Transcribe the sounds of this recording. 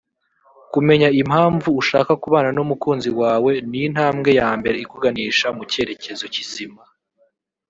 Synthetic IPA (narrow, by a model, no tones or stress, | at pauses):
kume̞ɲaimhaːɱvuːʃa̰ːkakuβaːnanomukuːnziwaːwe̞nijn̥haːmɡe̞jaːmbe̞ɾe̞ikuɡaniːʃamuce̞ɾe̞ce̞zo̞cizima